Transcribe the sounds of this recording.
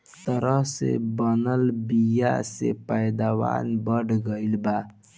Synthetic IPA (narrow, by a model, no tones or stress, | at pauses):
t̪əɾəɦsḛbənəlbija̰sepəjd̪awa̰nbəɽɡəilba